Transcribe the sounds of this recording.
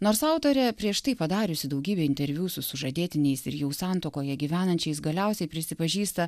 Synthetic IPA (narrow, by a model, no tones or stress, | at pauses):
noːɾsɑˑʊt̪oːɾʲɛpʲɾʲiɛʃt̪ɐɪpɐd̪ɑːɾʲʊsʲɪd̪ɐʊɡʲiːbʲeːɪnʲt̪ʲɛɾʲʋʲuːsʊsʊʒɐd̪ʲeːt̪ʲɪnʲɛɪsɪ̰ɾjɛʊsɑˑnt̪oːkoːjɛɡʲiʋʲæːnɐnʲt͡ʃʲɛɪsɡɐlʲɛʊsʲɛɪpʲɾʲɪsʲɪpɐʒʲiːst̪ɐ